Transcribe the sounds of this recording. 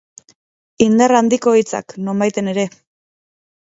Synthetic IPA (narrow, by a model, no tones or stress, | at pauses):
ind̪arand̪iko̞it͡sa̰kno̞mbajt̪e̞ne̞ɾe̞